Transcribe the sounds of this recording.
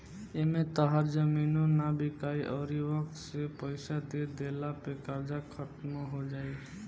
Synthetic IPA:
emẽt̪əɦaɾd͡ʒəminõnabikaiʔɔɾiʋəksepəɪsad̪ed̪elapekəɾd͡ʒakʰət̪moɦod͡ʒai

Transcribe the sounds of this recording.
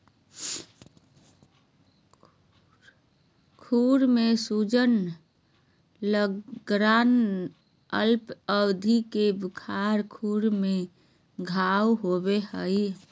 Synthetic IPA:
kʰuːɾmẽsud͡ʒən | ləɡɾaːn | ə̰lpəbd̪ʱikebɪkʰaɾkʰuːɾmẽ | ɡʱawɦobehəj

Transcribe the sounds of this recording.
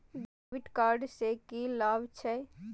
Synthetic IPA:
ɖeʋɪʈkaːɾɖsekilaːbt͡ʃʰɛ

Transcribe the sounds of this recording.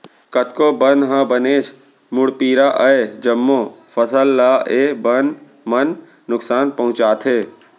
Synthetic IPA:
kɐt̪kobɐnɦãbəneːt͡ʃ | mʊɽpiːɾaʔɐed͡ʒɐmːo | fɐsəlːaːeːbən | mɐnː | ʊksaːnpɐɦʊ̃t͡ʃaːt̪ʰeː

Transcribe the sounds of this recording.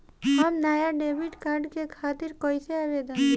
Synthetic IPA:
ɦamnaːjaɖebiʈkaɾɖkekʰat̪iɾkɔjseaʋed̪a

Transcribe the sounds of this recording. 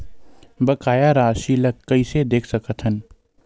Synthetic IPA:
bəkaːjaɾaːʃilɐkːəised̪eːkʰsəkət̪ɦən

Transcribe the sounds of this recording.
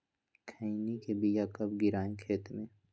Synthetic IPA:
kʰəinikebijakɐbɡɪɾaːẽkʰeːt̪mẽ

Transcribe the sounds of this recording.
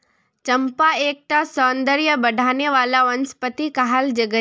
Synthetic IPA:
t͡ʃɐmpaeːk̚ʈ̪asɔːnd̪əɾjəbɐɖʱaːneʋaːlaʋənspət̪ikaɦald͡ʒɐɡə

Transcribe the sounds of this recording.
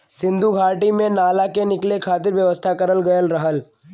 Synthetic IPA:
sɪ̃nd̪ʱuɡʱaːʈimẽnaːlakenɪklekʰaːt̪ɪɾʋjɐʋəst̪ʰakɐɾəlɡɐjəlɾɐɦəl

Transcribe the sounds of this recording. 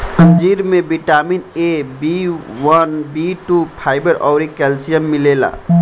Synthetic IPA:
ə̃nd͡ʒiːɾmẽbiʈaːminebiwənbiʈupʰaːɪbəɾʔɔːɾikɛlsijəmːilela̰

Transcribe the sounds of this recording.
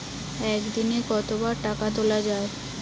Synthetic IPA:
ɛkd̪inekɔt̪obaɾʈakat̪olad͡ʑae

